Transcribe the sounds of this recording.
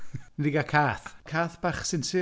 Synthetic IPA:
dɪɡakʰaːθkʰaːθb̥aχsɪnsʰɪ

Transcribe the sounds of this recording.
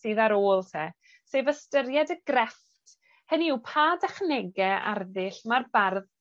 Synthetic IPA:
siːðaɾoːlˠtʰɛ | seːvəstəɾjɛdəɡ̥rɛf | t | həniupʰaːdɛχnɛɡɛa̰rðɪɬmarbarð

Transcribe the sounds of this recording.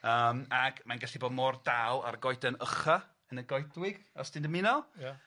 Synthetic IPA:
əːmaɡ̥manɡɛɬiboːdmɔːrdawˠa̰rɡɔjdənəχa | ənəɡɔjdwɪɡɔsd̥indəmɪnɔlˠ

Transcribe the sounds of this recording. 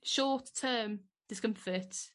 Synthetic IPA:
ʃɔːˑtʰɜːm | d̥ɪskʌ̃ɱfət

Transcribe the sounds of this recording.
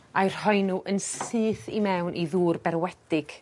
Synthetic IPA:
ajr̥hɔjnuʔənsɨːθimɛwnʔiðuːrbɛrwɛd̥ɪɡ̥

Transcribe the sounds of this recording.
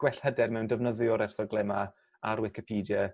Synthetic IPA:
ɡ̥wɛɬhadɛrmɛwndəvnəðjɔɾɛrθɔɡlɛma | arwɪkɪpʰiːdjə

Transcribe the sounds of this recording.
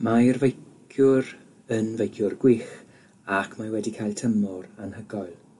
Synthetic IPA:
majrvejkkʰjʊr | ənvejkʰjʊrɡwɪχ | akʰmawɛdikʰajlˠtʰəmɔranhəɡɔjlˠ

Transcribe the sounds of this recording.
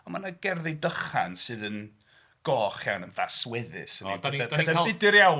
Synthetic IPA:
ɔmanaɡɛrðɪdəχa̰nsɨːðən | ɡ̥ɔːχjawnənða̰swɛðɨ̰səipapʰɛdɛbɪdɨɾjaw

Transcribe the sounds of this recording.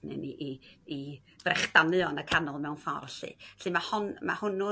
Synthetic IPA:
nɨ̰niʔii | vrɛχd̥anɨɔnəkʰanɔlˠmɛwnfɔ̰rɬḭɬɨmahʊnma̰hʊnʊ

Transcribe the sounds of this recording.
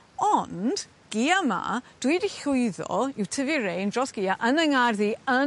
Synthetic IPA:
ɔnd̥ | ɡ̥iːama̰d̥wuɨdiɬʊɨðɔ̰iwtʰəvirejndrɔsɡ̥iːaʔənəŋarðiə

